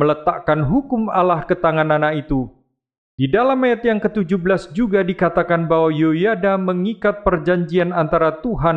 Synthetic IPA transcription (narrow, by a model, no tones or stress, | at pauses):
mələt̪aʔkanɦukʊmalahkət̪aŋananait̪u | d̥idalamajat̪jaŋkət̪ud͡ʒuhblasd͡ʒuɡadikat̪akanbawajojadaməŋikat̪̚pərd͡ʒaɲd͡ʒianant̪aɾat̪uɦan